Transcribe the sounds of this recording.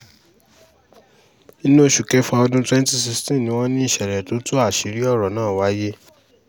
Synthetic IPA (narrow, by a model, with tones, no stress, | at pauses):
i˦no˦ʃu˨kɛ˦fã˧ɔ˧dũ˦tɾɛ˦n˦ti˦˨si˧stɛ̃˦˨nĩ˨˦w̃ɔ̃˦nĩ˦i˦˨ʃɛ˨ɾɛ˨to˨˦to˦a˦˨ʃi˨˦ɾi˦ɔ˦˨ɾɔ˨nãː˦˨wa˨˦je˦